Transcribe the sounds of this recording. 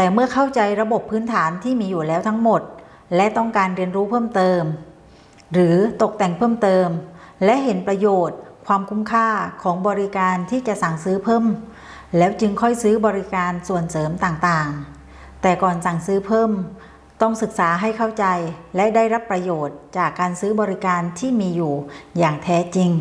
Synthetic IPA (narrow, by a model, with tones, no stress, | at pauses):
t̪ɛː˨˩mɯ˥˩ɐkʰa˥˩wt͡ɕa˧jɾa˧bo˨˩pʰːɯː˦˥nt̪ʰaː˩˦nt̪ʰiː˥˩miː˧juː˨˩lɛː˦˥wt̪ʰa˦˥ŋmo˨˩t̪̚ | lɛ˦˥ʔt̪ɔ˥˩ŋkaː˧nɾi˧ənɾuː˦˥pʰɤː˥˩mt̪ɤː˧m | ɾɯː˩˦t̪o˨˩k̚t̪ɛ˨˩ŋpʰɤː˥˩˨mt̪ɤː˧mlɛ˦˥ʔɦe˩˦npɾa˧joː˨˩t̪̚kʰwaː˧mkʰu˧˥mkʰaː˥˩kʰɔː˩˦ŋbɔː˧ɾi˦˥kaː˧nt̪ʰiː˥˩t͡ɕa˨˩ʔsa˨˩ŋsɯː˦˥pʰɤː˥˩m | lɛː˦˥wt͡ɕɯ˧ŋkʰɔ˥˩jsɯː˦˥bɔː˧ɾi˦˥kaː˧nsu˨˩ənsɤː˩˦mt̪aː˨˩ŋt̪aː˨˩ŋ | t̪ɛː˨˩kɔː˨˩nsa˨˩ŋsɯː˦˥pʰɤː˥˩m | t̪ɔ˥˩ŋsɯ˨˩k̚saː˩˦ɦa˥˩jkʰa˥˩wt͡ɕa˧jlɛ˦˥daː˥˩jɾa˦˥pːɾa˧joː˨˩t̪̚t͡ɕaː˨˩kːaː˧nsɯː˦˥bɔː˧ɾi˦˥kaː˧nt̪ʰiː˥˩miː˧juː˨˩jaː˨˩ŋt̪ʰɛː˦˥t͡ɕi˧ŋ